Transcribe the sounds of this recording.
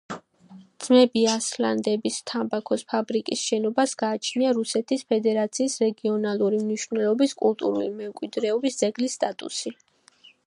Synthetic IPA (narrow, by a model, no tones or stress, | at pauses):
d̪z̥mɛbiasla̰nd̪ɛbist̪ʰambakʰɔspʰabɾikʼisʃɛnɔbasɡ̥aːt͡ʃʰniaɾusɛt̪ʰispʰɛd̪ɛɾat̪sʰiːsɾɛɡiɔnalˠuɾimniʃvnɛlɔbiskʼṵlˠt̪ʼuɾṵlimɛmkʼwid̪ɾɛɔbisd̪z̥ɛɡlisːt̪ʼat̪ʼṵsi